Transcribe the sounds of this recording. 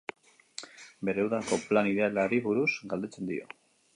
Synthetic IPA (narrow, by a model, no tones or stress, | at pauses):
be̞ɾeuwðako̞planiðe̞alaɾiβuɾuz̥ɡald̪e̞t͡se̞nd̪ḭo̞̰